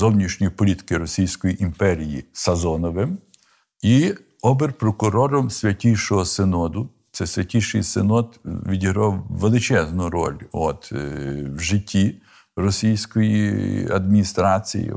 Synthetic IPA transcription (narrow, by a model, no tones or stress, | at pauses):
zɔwnʲiʃnʲijpɔlʲit̪ɪ̥kɪɾɔsʲijsʲkɔjiʔimpɛɾʲijisɐzɔnɔʋɪm | i | ɔbɪrpɾɔkʊɾɔɾɔmsʲʋʲɐtʲijʃɔɦɔsenɔd̪ʊ | t̪sɛsʲʋʲɐtʲiʃɪ̰jsenɔt̪ʋʲidʲiɦɾɔwːelˠɪt͡ʃɛznʊɾɔ̰lʲɔ̰t̪wʒɪtʲʰːi | rɔsʲijsʲkɔjḭɐ̰d̪mʲinʲist̪ɾɑt͡sʲḭjḭ